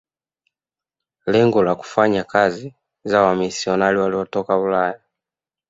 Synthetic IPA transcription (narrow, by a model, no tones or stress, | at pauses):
lɛŋɡɔlaku̥faɲakazi | zawamisiɔnaliwaliɔtɔkaulaja